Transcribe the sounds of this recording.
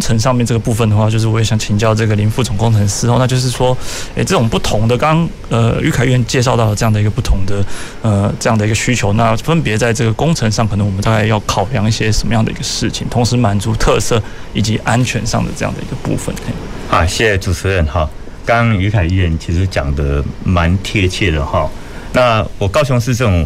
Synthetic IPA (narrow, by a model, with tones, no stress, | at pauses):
ŋt͡sʰə˧˥ŋʂɑ˥˧ŋmjɛ˥˧nʈ͡ʂɤ˥˩ɡə˩pu˥˧fə˨˩nd̪ə˩xwa˥˧t͡ɕjo˥˧ʊʂɻ̩˥˩ɔ˧˥˨ɕjɑ˨˩ŋt͡ɕʰi˨˦nt͡ɕjɑ˥˧ʊʈ͡ʂɤ˥˩ɡə˩li˧˥nfu˥˩t͡sʊ˨˩ŋkʊ˥ŋt͡sʰə˧˥nsɹ̩˧˥xo˥˧na˥˧t͡ɕjo˥˧ʊʂɻ̩˥˩ʂwɔ˥e˥˩ɪʈ͡ʂɤ˥˩ʈ͡ʂʊ˨˩ŋpu˥˩t̪ʰʊ˧˥ŋd̪ə˨kɑ˥ŋ | ə˧y̰˧˥kʰa˨˩ɪy˥˩jɛ˥˩nt͡ɕjɛ˥˧ʂ̬ɑ˥˧ʊt̪ɑ˥ʊlə˩ʈ͡ʂɤ˥˧jɑ˥˩ŋd̪ə˩i˧˥ɡə˧pu˥˩t̪ʰʊ˧˥ŋd̪ə˨ | ə˧˩ʈ͡ʂɤ˥˧jɑ˥˩ŋd̪ə˩i˧ɡə˧ɕy˥t͡ɕʰjo˧˥ʊna˥˧fə˥npjɛ˧˥t͡sa˥˧ɪʈ͡ʂɤ˥˩ɡə˩kʊ˥ŋt͡sʰə˧˥nʂɑ˥˩ŋkʰɤ˨˩nə˧˦ŋwmə˦t̪a˥˧ka˥˧˩jɑ˥˩ʊkʰɑ˨˩ʊljɑ˧˥ŋi˥˩ɕjɛ˥ʂə˨˩nmə˧˦jɑ˥˩ŋd̪ə˩i˧˥ɡə˧ʂɻ̩˥˩t͡ɕʰḭ˨˩nt̪ʰʊ˧˥ŋʂɻ̩˧˥ma˨˩nt͡su˧˥t̪ʰɤ˥˧sɤ˥˩ | i˨˩t͡ɕi˧˥ʔa˦˥nt͡ɕʰɥɛ˧˥nʂɑ˥˨ŋd̪ə̰˩ʈ͡ʂɤ˥˧jɑ̰˥˩ŋd̪ə̰˩i˧˥ɡə˧pṵ˥˩fə̰˨˩ne˥˩ɪhɑ˥˦˩ɕjɛ˥˩ɛ˩ʈ͡ʂu˨˩t͡sʰɻ̩˧˥ɻə˧˩nxɑ˨˩ | kɑ˦ŋy˧˥kʰa˨˩ɪy˥˧˩ɥɛ˥˩nt͡ɕʰi˧˥ʂɻ̩˧˥t͡ɕjɑ̰˨˩ŋd̪ə˦ma˧˦nt̪ʰjɛ˥t͡ɕʰjɛ˥˩lə˩xɔ˥˨˩ | na˥˨wɔ˨˩kɑ˥ʊɕʊ˧˥ŋʂ̬ɻ̩˥˧ʈ͡ʂə˥˩ʊ˨˩